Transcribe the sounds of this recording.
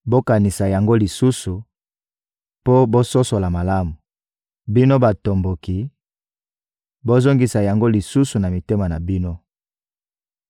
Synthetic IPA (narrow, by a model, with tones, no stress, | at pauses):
bo˦ka˨ni˨sa˨ja˨ŋɡo˦li˨su˦su˨ | po˦bo˦so˦so˨la˨ma˨la˦mu˨ | bi˦no˦ba˨to˨mbo˨ki˨ | bo˦zo˦ŋɡi˨sa˨ja˨ŋɡo˦li˨su˦su˨na˨mi˨te˦ma˨na˨bi˦no˦